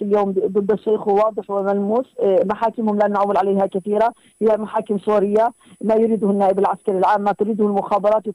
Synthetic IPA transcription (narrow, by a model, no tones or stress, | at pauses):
ɪljoːmd̪ˤɨd̪ːɑʃeːxhuwɑːd̪ˤɨħwɪmalmuːsmaħaːkɪmhʊmlanʕawːɪlʕalejːhakɪθiːɾa | hɪjːamaħaːkɪmsˤuɾɪjːa | majʊɾiːd̪ʊhʊnːaːʔɪbɪlʕaskaɾilʕaːmːat̪ʊɾiːd̪ʊhʊlmʊxaːbɑɾˤɑːt̪wɪ